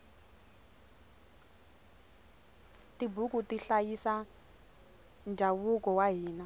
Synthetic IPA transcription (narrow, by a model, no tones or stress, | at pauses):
tibukutiɬajisa | nd͡ʒʱaβukɔwaɦiːna